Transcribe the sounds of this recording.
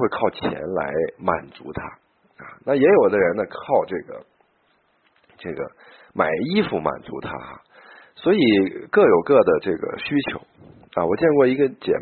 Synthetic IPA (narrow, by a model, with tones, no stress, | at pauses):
we˥˧ɪkʰɑ˥˩ʊt͡ɕʰjɛ̰˧˥nla̰˧˥ɪma˨˩nt͡sṵ˧˥t̪ʰa̰˥ | ɐ̰˧˩na˥˩jɛ˧˥jo˨˩ʊd̪ə˦ɻə˧˥nə˧kʰɑ˥˧ʊʈ͡ʂɤ˥˩ɡə̰˩ | ʈ͡ʂɤ˥˩ɡə̰˩ | ma˨˩ɪi˥fu˧˩ma̰˨˩nt͡sṵ˧˥t̪ʰa̰˥ɐ̰˩ | swɔ˧˥i˨˩kɤ˥˩jo˨˩ʊkɤ˥˩d̪ə˩ʈ͡ʂɤ˥˩ɡə̰˩ɕy˥t͡ɕʰjo̰˧˥ʊ | a̰˧˩wɔ˨˩t͡ɕjɛ˥˧nkwɔ˥˩i˧˥ɡə˧t͡ɕjɛ̰˨˩